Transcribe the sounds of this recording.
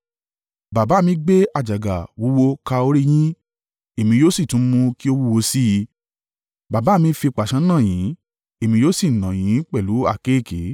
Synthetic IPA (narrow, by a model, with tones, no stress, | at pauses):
ba˨ba˨˦˨mĩ˧˦ɡ͡be˦a˦˨d͡ʒa˨ɡa˨wu˨˦wo˧ka˧o˧ɾi˦j̃ĩ˦ | e˨mĩ˧joː˦si˦˨tũ˨˦mũ˧ki˦o˦wu˦˧wo˧si˦ji˧ | ba˨ba˨˦˨mĩ˧˦fi˧˨k͡pa˨ʃã˧˦nã˦˨j̃ĩ˨˦ | e˨mĩ˧joː˦si˦˨nã˨j̃ĩ˨˦k͡pɛ˦˨lu˨˦a̰˦˨ke˦˨ke˨˦